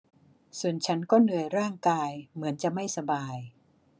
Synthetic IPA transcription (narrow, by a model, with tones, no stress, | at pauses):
su˨˩ənt͡ɕʰa˦˥nkɔː˥˩nɯ˨˩əjɾaː˥˩ŋkaː˧jmɯ˩˦ənt͡ɕa˨˩ma˥˩jsa˧baː˧j